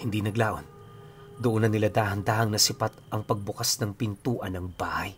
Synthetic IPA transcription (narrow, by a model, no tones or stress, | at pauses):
hɪnd̪inɐɡlaːʔo̰n | d̪ʊʔonɐnɪlad̪aːhɐnd̪aːhɐŋnɐsɪpat̪̚ʔɐŋpɐɡ̚bʊkasnɐŋpɪnt̪uːʔɐnɐŋbaːhaj